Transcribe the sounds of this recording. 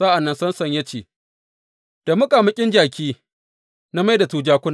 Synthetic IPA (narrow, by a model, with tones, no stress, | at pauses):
a˦ʔa˨nːɐ˦nsɐ˦nsɐ˨ɲjɐ˦t͡ʃeː˨ | d̥a˨mʊ˦kʼa˨mɪ˦kʲʼɪ˦nd͡ʒaː˨kʲiː˦ | na˦ma˦jda˨tuː˨d͡ʒaː˦kʷʊ˦n˨